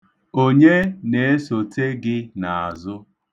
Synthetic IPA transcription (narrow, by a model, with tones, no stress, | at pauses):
o˦ɲe˦ne˨e˦so˨te˦ɡɪ˦na˨a̰˨zʊ˦